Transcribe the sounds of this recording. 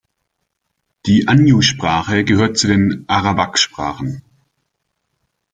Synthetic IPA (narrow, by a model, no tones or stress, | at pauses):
d̥iːʔanjuʃpʁ̥aːχəɡəhøːɐt̚t͡sudeːnʔaʁabakʃpʁ̥a̰ːχn̩